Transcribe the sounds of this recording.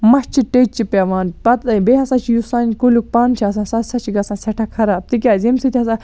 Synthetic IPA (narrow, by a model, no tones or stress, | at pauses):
mɐst͡ʃʰiʈeːt͡ʃt͡ʃipɐʋaːnpɐt̪beɦɐsãːt͡ʃʰijusaːnʲkuluk̚paːnt͡ʃʰiɐs̬ãːsɐt̪sɐt͡ʃʰiɡɐsãːsʲɐʈʰakʰɐɾaːb̚t̪ik̬ʲaːzimsit̪ʰʲiɐsãː